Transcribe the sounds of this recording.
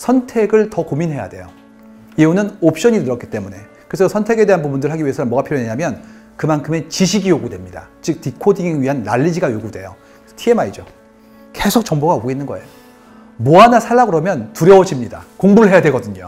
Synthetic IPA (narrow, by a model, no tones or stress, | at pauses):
sʰʌntʰe̞ɡɯɭtʌkominɦe̞ja̰de̞̰jo | iunɯnop̚ɕ͈ʌɲinɯɾʌk͈i̥t͈e̞mune̞ | kɯɾesʰʌsʰʌntʰe̞ɡe̞de̞ɦanpubundɯɭɦaɡiɥie̞sʰʌmʌɡapʰiɾjʌneɲamjʌn | kɯmankʰɯme̞t͡ɕiɕʰiɡijoɡudwe̞mɲida̰t͡ɕɯk̚tikʰodiŋɥiɦanːa̰ʎːid͡ʑiɡajoɡudwe̞jo̰ | tʰie̞maid͡ʑo | ke̞sʰok̚t͡ɕ͈ʌŋboɡaoɡinːɯnɡʌe̞jo | moanasʰaɭːaɡɯɾʌmjʌntuɾjʌod͡ʑimɲida̰koŋbuɯɭɦe̞jadwe̞ɡʌdɯɲo̰